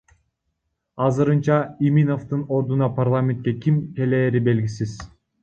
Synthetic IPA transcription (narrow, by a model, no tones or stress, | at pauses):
ɑzɯɾɯnt͡ʃɑimino̞ft̪ɯno̞ɾd̪unɑpʰarlˠamʲe̞nt̪̚kʲe̞kʲimke̞leːɾibe̞lɡʲisiz̥